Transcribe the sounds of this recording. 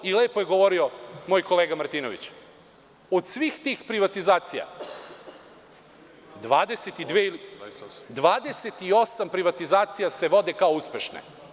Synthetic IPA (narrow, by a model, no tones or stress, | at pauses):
ileːpojeɡo̞ʋo̞ɾiomoːjko̞leːɡamaɾt̪iːnoʋḭt͡ɕ | od̪sʋiːxt̪iːxpɾiʋat̪izaːt̪sija̰ | d̪ʋaːd̪eset̪id̪ʋeilid̪ʋaːd̪e̞set̪io̞sampɾiʋat̪izaːt̪sijase̞ʋo̞d̪e̞kaouspe̞ʃnḛ